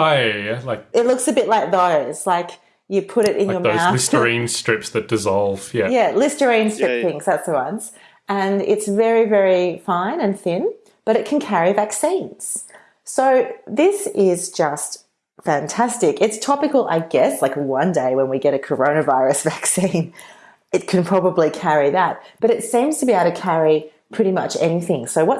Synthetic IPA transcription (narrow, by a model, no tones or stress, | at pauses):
aɪjælaɪk̚ɨtˡlʊksɨbɪtˡlaɪk̚ðoʊz̥laɪk | jɨpʰʊɾɨɾʔɪ̰̃njə˞moʊaɪstə˞ĩnstɹ̥ɪpsðɨt̚d̥ɨzɑlˠv̥jæjælɪstə˞ĩnstɹ̥ɪp̚θɪ̃ŋz̥ðætsðəwʌ̃nz̥ | ɨ̃nɪ̰tsvɛɹivɛɹifãɪ̃nɨ̃nθɪ̃n | b̥ʌɾɨt̚kʰɨ̃n̩kʰɛɹivæksĩnz̥ | soʊðɪsɪzd͡ʒʌst | fæ̃ntʰæstɪkɨtstʰɑpɨkl̩ˠʔa̰ɪɡɛslaɪkəwʌ̃ndeɪwə̃nwiɡɛɾɨkʰə˞õʊ̃nɨvaɪɹɨsv̥æksĩn | ɨt̚kʰɨ̃n̩pʰɹ̥ɑbəblikʰɛɹiðæt̚b̥ʌɾɨtsĩmz̥tʰəbiaɪtʰɨkʰæɹi | pʰɹ̥ɪɾimʌ̰t͡ʃɛ̰niθɪ̃ŋsoʊwʌ